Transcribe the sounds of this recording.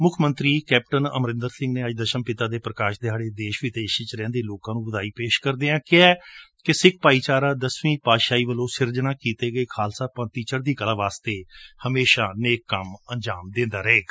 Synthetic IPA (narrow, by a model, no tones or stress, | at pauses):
mʊkʰmənt̪ɾiːkɛːp̚ʈənə̰mɾɪ̃nd̪əɾsɪ̃ŋɡneːəd͡ʒd̪əʃənpɪt̪aːd̪eːpɾəkaːʃd̪ɪaːɽeːd̪eːʃʋiːd̪eːʃt͡ʃɾɛ̃ːnd̪eːloːkãːnũːʋəd̪aːiːpeːʃkəɾd̪eːãːkɪɛːkɪsɪk̚ʰpaːiːt͡ʃaːɾãːd̪əsʋĩːpaːʃaːiːʋəlõːsɪɾd͡ʒnãːkiːt̪eːɡəeːkʰaːlsaːpə̃ːt̪iːt͡ʃəɾd̪iːkəlãːʋaːst̪eːhəmeːʃaːneːkːəmənd͡ʒaːmd̪ẽːnd̪aːɾəɦeːɡ